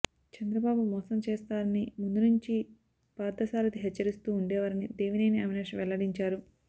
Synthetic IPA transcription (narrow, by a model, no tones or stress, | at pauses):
t͡ʃɐnd̪ɾɐbaːbumɔːsɐmt͡ʃeːst̪aːɾɐnimund̪unuɲt͡ʃi | paːd̪ɐsaːɾɐt̪iɦɛt͡ʃːɐɾist̪uːuɳɖɛːʋaːɾinid̪eːʋineːniɐmineːʂʋɛɭːɐɽiɲt͡ʃaːɾu